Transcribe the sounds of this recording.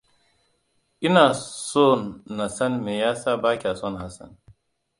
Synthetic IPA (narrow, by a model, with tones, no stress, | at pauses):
i˦na˨so˦nːɐ˨sɐ˦nme˨jaː˦sa˦baː˦kʲa˨so˦nɦɐ˨sɐ̰˨n